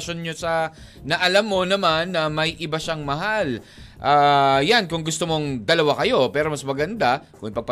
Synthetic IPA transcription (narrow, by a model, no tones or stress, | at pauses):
ʃo̞nɲosɐnɐʔɐlamːo̞nɐmanːɐmɐjʔɪbaʃaŋmɐɦalʔaːjankʊŋɡʊst̪omo̞ŋd̪ɐlɐwakɐjo̞pɛːɾomɐsmɐɡɐnd̪akʊ̰ŋʔɪpɐɡ̚pɐ